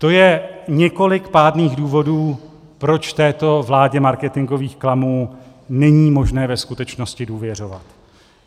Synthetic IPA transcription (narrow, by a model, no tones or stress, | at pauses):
t̪o̞jɛɲɛko̞lɪkpaːdniːɣduːvo̞duː | pɾo̞t͡ʃft̪ɛːt̪o̞vlaːɟɛmaɾkɛt̪ɪŋɡo̞viːxklamuː | nɛɲiːmo̞ʒnɛːvɛskut̪ɛt͡ʃno̞scɪduːvjɛr̝o̞va̰t̪